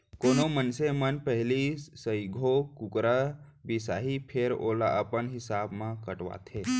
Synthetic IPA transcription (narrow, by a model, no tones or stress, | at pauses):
koːnomənsemənpəɦlisəiɡʱokʊkɾa | bisaːɦipʰeɾo̰ːla̰ʔəpənɦɪsaːbmãkəʈʋa̰ːt̪ʰeː